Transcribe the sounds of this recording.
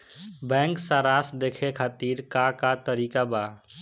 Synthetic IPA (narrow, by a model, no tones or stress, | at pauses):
bɛ̃ːŋksaːɾaːsd̪eːkʰekʰat̪iːɾkakat̪əɾiːkabaː